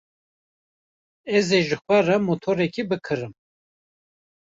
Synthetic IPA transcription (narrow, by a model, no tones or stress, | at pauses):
ɛzeʒɨxʷɛrɛmot̪ʰoɾɛkʰibɨkʰɨɾɨm